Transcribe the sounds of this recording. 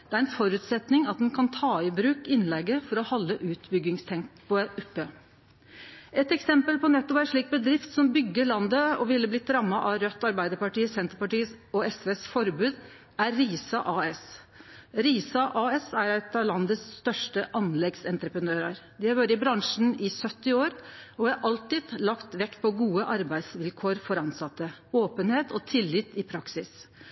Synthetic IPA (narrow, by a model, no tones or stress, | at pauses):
d̪̥ɛæɾɛnfɔɾʉːt̪sɛt̪nɪŋɑt̪̚d̪ɛnkʰɑnt̪ʰɑːɪbɾʉːkɪnlɛɡːəfɔɾɔhɔlːəʔʉːt̪bʏɡɪŋst̪ʰɛŋktpʰɔʔʉpːə | ɛt̪ɛksɛmpəlpɔnɛt̪ːɔpæɪʂɭiːk̚bəd̪ɾɪft̪sɔmbʏɡːəɭɑnd̪əɔʋɪlːəblɪt̪ʰɾɑmːɑʔɑɾœt̪ːɑɾbæɪd̪əɾpɑʈiːəsɛnt̪əɾpɑʈiːəɔɛsʋeːsfɔɾbʉːd̪ | æɾːiːsɑʔɑːɛs | ɾiːsɑʔɑːɛsæɾæt̪ɑʋlɑnd̪əsːt̪œʂʈəʔɑnlɛɡsɛnt̪ɾəpɾənøːɾɑɾd̪ɪhɑɾʋøːɾəɪbɾɑŋʂn̩ɪsœt̪ːɪoːɾɔʋɑɾʔɑlt̪ɪd̪lɑkt̪ʋɛkːpʰɔɡuːəʔɑɾbæɪd̪sʋɪlkʰoːɾfɔɾɑnsɑt̪ːəoːpənheːt̪ɔt̪ʰɪlːɪt̪ɪpʰɾɑksɪs